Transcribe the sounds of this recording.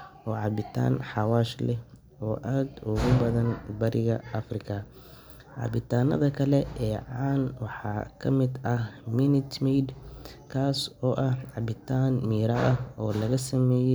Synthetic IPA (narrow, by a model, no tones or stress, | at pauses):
ʔɔːʕɑbɪt̪ʰa̰ːnħɑwaːʃlɛh | ɔːʔaːd̪ʊɣʊbɐðɐnbɐɾɪɣɐɐfrɪkʰɐ | ʕɑ̰bɪt̪ʰaːnɐ̰ðɐkʰɐlɛɛːʕɑːnwɑħɑ̰ːkʰɐmɪd̪ɐhmɪnɪt̪mɛjd̪kʰaːsɔːʔɐhʕɑbɪt̪ʰaːnmiːɾɐɐhɔːlɐɣɐsɐmɛːjɛ